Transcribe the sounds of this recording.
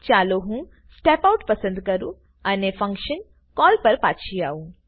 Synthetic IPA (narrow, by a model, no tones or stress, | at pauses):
t͡ʃaːloɦũ | sʈeːpɐwʈpɐsɐnd̪ukɐɾu | ɐnepʰɐŋkʃɐn | kɔːlpɐɾpaːtːt͡ʃʰijaːũ